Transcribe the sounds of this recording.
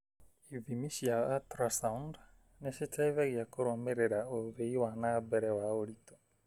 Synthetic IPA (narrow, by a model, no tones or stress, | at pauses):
ivimiʃijaatɾasaund | nesitʰaiβeɣiakoɾomeɾeɾaoβeiwanabɛɾɛwaoɾito̥